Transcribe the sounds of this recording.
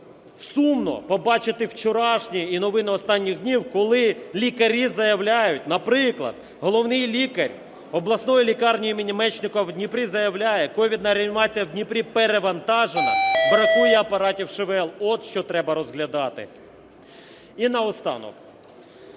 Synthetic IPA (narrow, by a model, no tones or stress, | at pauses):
sumnɔ̰pɔbɑt͡ʃɪt̪ɪwt͡ʃɔɾɑʃnʲiinɔʋɪnɪɔst̪ɑnʲːiɣd̪ʲnʲiwkɔlˠɪlʲikɐɾʲizɐjɐwlʲajʊt̚ʲnɐpɾɪklˠɐ̰d̪̥̚ | ɦɔlˠɔwnɪjlʲikɐɾʲ | ɔblˠɐsnɔjilʲikɑrnʲijimʲinʲɪmɛt͡ʃnɪkɔwd̪ʲnʲipɾʲizɐjɐwlʲajɛkɔʋʲid̪nɐɾʲɐmʲɪʋɑt͡sʲijɐwdʲnʲipɾʲipeɾeʋɐnt̪ɑʒenɐpɾɐt̪ujɛɐpɐɾɑtʲiwʃeʋɛlˠɔd̪ʃt͡ʃɔt̪ɾɛbɐɾɔzɦlʲɐd̪ɑt̪ɪ̰ | inɐɔst̪ɑ̰nɔ̰k